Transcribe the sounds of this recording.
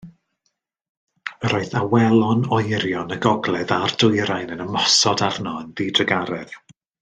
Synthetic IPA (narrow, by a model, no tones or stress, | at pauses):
əɾɔɨθawɛlˠɔnɔjɾjɔnəɡɔɡlˠɛðardʊjɾajnənəmɔsɔdavnɔənðiːdrəɡaɾɛð̥